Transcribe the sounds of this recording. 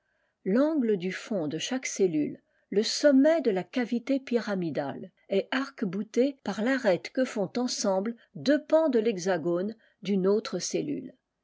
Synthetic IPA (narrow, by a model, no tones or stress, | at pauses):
lɑ̃ɡləd̪yfɔ̃d̪əʃakselylː | əsɔmːɛd̪əlakavit̪epiʁamid̪a̰l | ɛʔaʁkbut̪epaʁlaʁɛt̪kəfɔ̃t̪ɑ̃sɑ̃bld̪øpɑ̃d̪əlɛɡzaɡon | d̪ynot̪χəsely̰l